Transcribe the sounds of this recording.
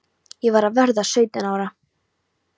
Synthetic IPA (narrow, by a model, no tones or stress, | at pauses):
jɛvaɾaðvɛɾðasœːɥt̪ɪnaːwɾa